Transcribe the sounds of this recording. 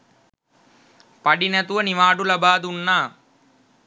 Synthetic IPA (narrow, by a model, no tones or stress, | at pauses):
pɐɽinɐt̪uʋɐniʋaːɖulɐbaːd̪unːaː